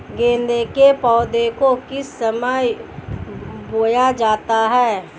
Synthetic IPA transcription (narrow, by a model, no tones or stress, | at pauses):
ɡẽːnd̪ekepɔːd̪ekokɪsːəməj | boːjad͡ʒaːt̪aɦɛː